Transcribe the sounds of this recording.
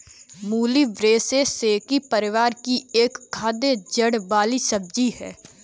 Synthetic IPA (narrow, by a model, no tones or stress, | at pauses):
muːliʋɾeːseseːkipəɾɪʋaːɾkieːkkʰːaːd̪ed͡ʒəɽbaːlisəb̚d͡ʒiɦɛ̰ː